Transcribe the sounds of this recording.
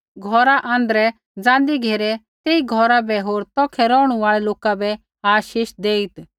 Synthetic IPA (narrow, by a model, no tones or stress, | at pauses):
ɡʱɔːɾaʔãːnd̪ɾɛ | d͡zãːnd̪iɡʱeːɾɛ | t̪eːiɡʱɔɾabɛɦoːɾt̪ɔːkʰɛɾɔːɽ̃ũʋaːɭɛloːkabɛ | aːʃiːʃd̪eːit̪